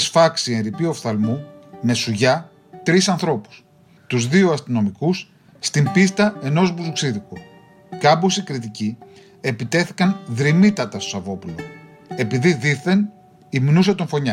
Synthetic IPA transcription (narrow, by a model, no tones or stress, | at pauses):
sfɐksienɾipio̞fθɐlmume̞suʝɐ | t̪ɾisɐnθɾo̞pu̥s | t̪uzðioɐst̪ino̞mikusː | t̪imbist̪ɐe̞no̞zbuzuksiðiko | kɐbosikɾit̪ici | e̞pit̪e̞θi̥kɐnðɾimit̪ɐt̪ɐst̪osɐvo̞pulo | e̞piðiðiθe̞n | imnus̬et̪oɱfo̞ɲɐ